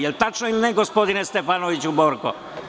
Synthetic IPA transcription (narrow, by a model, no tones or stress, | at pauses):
ɛlt̪at͡ʃːoilnɛɡɔspɔd̪inɛst̪ɛfanovit͡ʃubɔɾkɔ̰